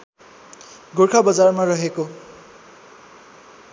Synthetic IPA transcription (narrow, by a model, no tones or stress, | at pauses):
ɡorkʰabʌd͡zarmarʌɦeko